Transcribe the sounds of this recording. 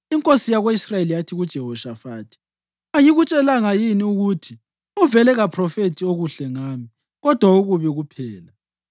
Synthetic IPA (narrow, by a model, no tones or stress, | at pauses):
iŋkʼosijaɣweisrajelijatʰiɣud̥ʒ̥ʱɛhɔʃafaːtʰi̥ | ajiɣut͡ʃʼɛlaŋajiniuɣutʰi | uvɛlɛɣapʰrɔfetʰioɣuɬɛŋaːmi | ɣɔd̥ʱwauɣuβɛɣupʰɛːla